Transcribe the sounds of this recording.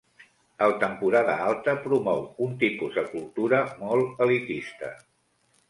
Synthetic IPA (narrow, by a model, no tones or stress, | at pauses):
əlt̪əmpuɾaðə̰alˠt̪əpɾumɔwunt̪ipuzd̪əkulˠt̪uɾəmɔlˠəlit̪ist̪ə̰